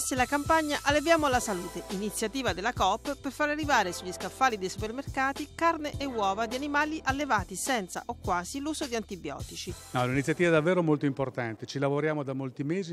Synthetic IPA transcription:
silakampaɲːaʔalːevjaːmoalːasaluːt̪eʔinit̪sːjat̪iːvad̪elːakɔpːpːerfaːɾearːivaːɾesuʎːiskafːaːlid̪ejsupermerkaːt̪ikarneʔewːɔːvad̪ianimaːliʔalːevaːt̪isɛnt̪sa̰ʔokːwaːziluːzod̪iant̪ibjɔ̰ːt̪it͡ʃinɔlinit̪sːjat̪iːvɛd̪avːɛːɾoɛmolt̪oimport̪ant̪et͡ʃilavoɾjaːmod̪amːolt̪imeːzi

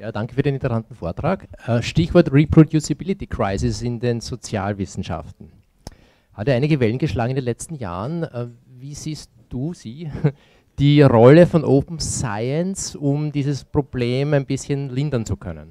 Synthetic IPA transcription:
jaːd̥aŋkə̥fyɐɾeːnɪtəsantn̩foːɐtʁ̥aːkɛʃtɪçv̥ɔɐtʁipʁ̥odjusɪbɪlɪtikʁ̥aɪsɪsɪndenz̥ot͡sja̰ːlvɪsn̩ʃa̰ftn̩ | hatɛɐʔaɪnɪɡəvɛlən̩ɡəʃlaːɡŋɪndenlɛt͡stn̩ja̰ːʁənɛ | viːz̥iːst̚d̥uːziː | d̥iːʁɔləfɔnʔoːpm̩saɪənsʊmdiːzəspʁ̥ob̥leːmæɪnbɪsçənlɪndɐnt͡sukʰœ̰nə̰n

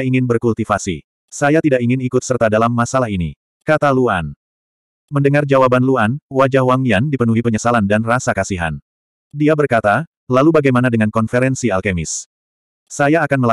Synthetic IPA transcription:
iŋɪnbərkult̪ifasḭ | sajat̪idaʔiŋɪnikʊt̪̚sərt̪adalamːasalaɦinḭ | kat̪alua̰n | məndəŋard͡ʒawabanluanwad͡ʒahwaŋijandipənuɦipəɲəsalandanrasakasiɦa̰n | diabərkat̪a | lalubaɡajmanadəŋankɔnfeɾɛnsialkɛmɪs | sajaːkanməl

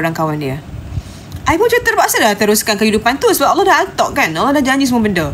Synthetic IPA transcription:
ɾaŋkawanĩə | ʔajpunt͡ʃuit̪ərbaʔsadat̪əɾuskankəhidupant̪usəbap̚ʔalːɔhdaɦat̪ɔʔkanalɔhdahd͡ʒanisəmuabəndə

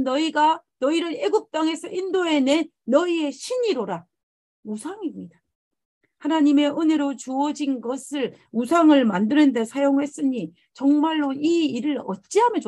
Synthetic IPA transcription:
nʌiɡanʌiɾɯɾe̞ɡup̚t͈aŋɦe̞sʰʌʔindoe̞nenːʌie̞ɕʰiɲiɾoɾa | usʰaŋimɲid̥a | hanaɲime̞ʔɯne̞ɾot͡ɕuʌd͡ʑinɡʌsʰɯɭ | musʰaŋɯɭmandɯnɯnde̞sʰajoŋhe̞s͈ɯɲi | t͡ɕʌŋmaɭːoiːɾɯɾʌt̚t͡ɕ͈iɦamjʌn

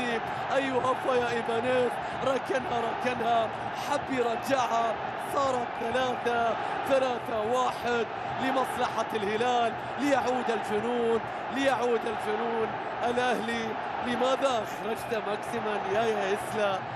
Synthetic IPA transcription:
i | ʔajːʊhafajaʔɪbaneːɾ | ɾˤɑkːanhaɾˤɑkːanha | ħabːjɾˤɑd͡ʒaʕha | sˤɑːɾˤɑt̪θalaːθa | θalaːθawaːħɪd̪̚ | lɪmɑsˤlɑħalhɪlaːlː | ɪjaʕuːd̪ald͡ʒʊnuːn | lɪjaʕuːd̪ald͡ʒʊnuːn | ʔalʔahli | lɪmaːðaʔɑxɾˤɑd͡ʒt̪amaksɪmanjajahɪsla

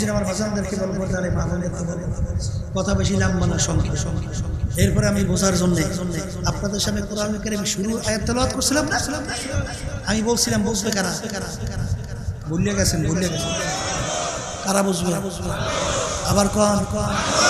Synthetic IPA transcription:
d͡ʑinamaɾbad͡ʑand̪eɾkʰebɔlopɔɾt̪ealemabʱamdet̪ːepaɾekɔt̪ʰabeʃ̬ilambaneʃɔŋkʰeɔŋkʰeeɾpɔɾeamibod͡ʑʱaɾd͡ʑonːeonːe | apnad̪eɾʃat̪ekoɾamikeɾemiʃuɾuajat̪ːɔlɔat̪koɾsʰilamna | amibolsʰilambod͡ʑbekaɾakaɾa | bʱolijaɡɛsʰenbʱoliaɡɛt͡sʰen | kaɾabod͡ʑbebe | abaɾkɔnkɔn

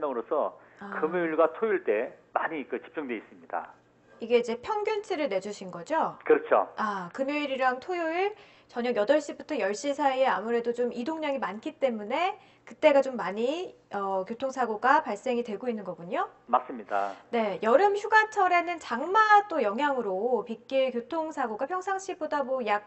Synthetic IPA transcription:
mʌŋɯɾosʰʌ̰akɯmjoiɭɡwatʰojuɭt͈e̞maɲikɯt͡ɕi̥p̚t͡ɕ͈uŋdwe̞is͈ɯmɲid̥a̰ | iɡe̞id͡ʑe̞pʰjʌŋɡjʌnt͡ɕʰiɾɯɭne̞d͡ʑuɕʰinɡʌd͡ʑokɯɾʌt͡ɕʰo̰akɯmjoiɾiɾaŋtʰojuɭ | t͡ɕʌɲʌɡjʌdʌɭɕ͈ibutʰʌjʌɭɕ͈isʰaieamuɾe̞dot͡ɕomidoŋɲʌŋimank͈ʰit͈e̞mune̞ | kɯt͈e̞ɡat͡ɕomːaɲi | ʌkjotʰoŋsʰaɡoɡapaɭs͈e̞ŋidwe̞ɡoinːɯnɡʌɡuɲomas͈ɯmɲid̥a̰ne̞jʌɾɯmçuɡat͡ɕʰʌɾe̞nɯnt͡ɕaŋmat͈ojʌŋɦjaŋɯɾopik͈iɭkjotʰoŋsʰaɡoɡapʰjʌŋsʰaŋɕ͈ʰibodamʌjak̚

